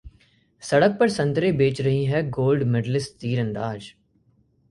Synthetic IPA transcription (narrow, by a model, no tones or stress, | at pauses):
sɐɽək̚pɐɾsɐ̃nt̪ɾebeːt͡ʃɾɐɦiɦɛɡoːlɖmɪɖlɪst̪iːɾə̃nɾaːd͡ʒ